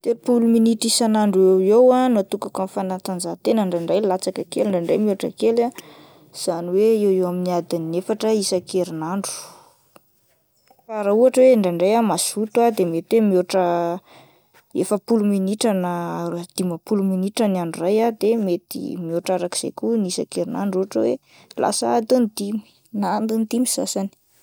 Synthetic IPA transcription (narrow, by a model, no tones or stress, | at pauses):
t̪eɾpuluminiʈ͡ʂisanaɳɖ͡ʐewewanuat̪ukakənfanat̪and͡zat̪enəɳɖ͡ʐaɳɖ͡ʐajlat͡sakakeliɳɖ͡ʐaɳɖ͡ʐejmioʈ͡ʂə̰kela | z̥aniweewewaminiad̪inːefaʈ͡ʂəisakeɾinaɳɖ͡ʐu̥ | faɾauaʈ͡ʂəweɳɖ͡ʐaɳɖ͡ʐajamasut̪uad̪emet̪wemioʈ͡ʂə | ḛfəpuluminiʈ͡ʂanəd̪̥imapuluminiʈ͡ʂənaɳɖ͡ʐurajad̪emet̪ḭmioʈ͡ʂaɾaki̥z̥ḛjkunisa̰keɾina̰ɳɖ͡ʐuaʈ͡ʂəwe | lʔa̰saad̪unt̪im | nand̪unt̪imisa̰sani̥